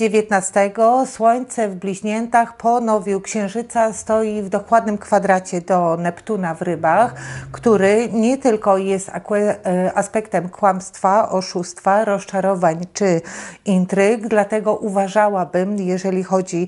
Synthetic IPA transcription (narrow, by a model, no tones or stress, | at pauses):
evʲjɛt̪nast̪ɛɡɔswɔɲt̪sɛvblʲiʑɲɛnt̪axpʰɔnɔvʲiwkɕɛ̃w̃ʐɘt̪sast̪ɔjivd̪ɔkwad̪̚nɘmkfad̪ɾat͡ɕɛd̪ɔnɛpt̪unavɾɘbaxkt̪uɾɘɲɛt̪ɘlkɔjɛst̪a̰kɛaspɛkt̪ɛmkwamst̪faʔɔʂust̪faɾɔst͡ʂaɾɔvaɲt͡ʂɘint̪ɾɘɡd̪lat̪ɛɡɔʔuvaʐawabɘmjɛʐɛlʲixɔd͡ʑi